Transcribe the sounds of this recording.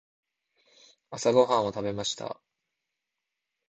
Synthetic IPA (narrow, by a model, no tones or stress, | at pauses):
asaɡo̞ɦãɰ̃o̞t̪abe̞maɕi̥t̪ʰa̰